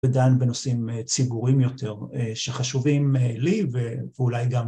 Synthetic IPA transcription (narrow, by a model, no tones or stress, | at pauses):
edanbeno̞simt͡sibuʁimjo̞t̪e̞ʁeʃeχaʃuvimeliveveulajɡam